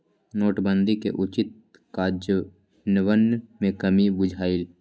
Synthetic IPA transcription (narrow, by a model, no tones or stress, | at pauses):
noːʈbə̃nd̪ikḛʔʊt͡ʃɪt̪̚ | kaːd͡ʒə | nəʋənmẽkəmibʊd͡ʒʱaːil